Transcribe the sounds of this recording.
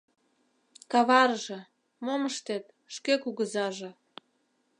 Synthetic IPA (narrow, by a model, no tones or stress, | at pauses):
kɑβɑrʒĕ | moməʃt̪et̪ | ʃkekuɣəzɑʒĕ